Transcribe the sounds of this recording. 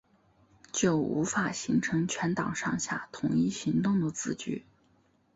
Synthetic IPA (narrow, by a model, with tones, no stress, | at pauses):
t͡ɕjo˥˩ʊṵ˧˥fa˨˩ɕi˧˥ŋʈ͡ʂʰɤ˧˥ŋt͡ɕʰɥɛ˧˥nt̪ɑ˨˩ŋʂɑ˥˧ŋɕja̰˥˩t̪ʰʊ˧˥ŋi˥˩ɕi˧˥ŋt̪ʊ˥˩ŋd̪ə˩t͡sɹ̩˥˩t͡ɕy̰˥˩˦